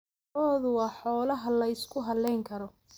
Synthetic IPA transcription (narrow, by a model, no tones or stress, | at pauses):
ɔːðʊwɑːħɔːlɐɦɐlɐɪskʰʊɦɐlːɛjŋkʰɐɾɔ